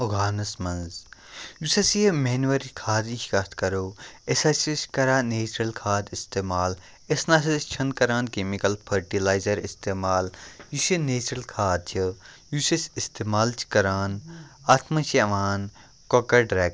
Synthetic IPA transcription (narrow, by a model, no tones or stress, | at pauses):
oɡaːnɐsmɐ̃nzjusɐsiemeːnuʋɐɾikʰaːd̪it͡ʃʰikɐt̪ʰkɐɾoːesɐsisʲkɐɾaːneːt͡ʃɾɐlkʰaːd̪ist̪eːmaːl | esnaːs̬ɐt͡ʃʰɐnkɐɾaːnkemikɐlpʰɐɾʈilaːjzɐɾist̪eːmaːljusineːt͡ʃɾɐlkʰaːd̪̚t͡ʃʰi | jusɐsist̪eːmaːlt͡ʃʰi̥kɐɾaːnaːt̪ʰmɐt͡ʃʰiɐʋaːn | kokɐɾɖɾeːɡ